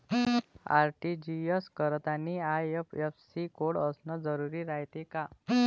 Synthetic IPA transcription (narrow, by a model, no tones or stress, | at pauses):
a̰ɾʈid͡ʑiəskəɾt̪aniajepefsikoɽəsnəd͡zəɾuɾiːɾaɦt̪eka